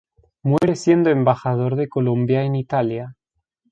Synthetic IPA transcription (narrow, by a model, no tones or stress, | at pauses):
mwe̞ɾesje̞nd̪oembaxað̞o̞ɾðe̞ko̞lo̞mbjaenit̪alja